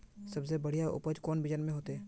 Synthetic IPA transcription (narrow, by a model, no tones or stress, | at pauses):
sɐbsebɐɽ̤ijaʔʊ̰pəd͡ʒkɔːnbɪd͡ʒənmẽɦoːt̪eɛː